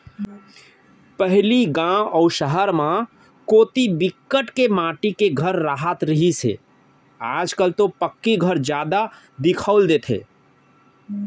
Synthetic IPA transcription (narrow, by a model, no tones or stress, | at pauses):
pəɦliɡãɔʊʃəɦəɾmã | koːt̪ibɪkːəʈkemãːʈikeɡʱəɾːaːɦət̪ɾəɦisḛ | aːd͡ʒkəlt̪opəkːiɡʱəɾd͡ʒjaːd̪a | d̪ɪkʰəʊld̪eːt̪ʰḛː